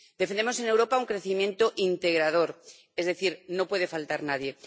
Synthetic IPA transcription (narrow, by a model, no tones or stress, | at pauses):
d̪efenemose̞newɾo̞pauŋkɾe̞θimje̞nt̪o̞ʔint̪e̞ɣ̞ɾað̞o̞ɾ | e̞zðeθiɾno̞pwe̞ðe̞falt̪aɾnaðje̞